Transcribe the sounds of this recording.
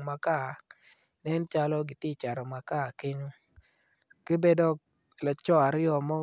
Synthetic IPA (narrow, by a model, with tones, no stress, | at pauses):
ma˨ka˦˨ | nɛ˦nt͡ʃa˦lɔ˦ɡɪ˨tɪ˦˨t͡ʃa˨ɾɔ˨ma˨ka˦˨ke˦ɲo˦ | ke˦be˦dɔ˦k | la˨t͡ʃɔ˦a˨ɾɪ˦ɔ˨mɔ˦